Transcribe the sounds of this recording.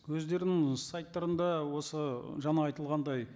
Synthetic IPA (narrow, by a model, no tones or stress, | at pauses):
wɵzd̪e̞ɾɪnɪŋsɑjt̪ːɑɾənd̪ɑwo̞səʒɑnɑːjt̪əlˠʁɑnd̪ɑj